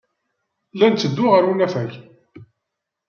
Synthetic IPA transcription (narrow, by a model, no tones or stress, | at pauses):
lænt͡sːəd̪ːʊʁəɾwinæfæç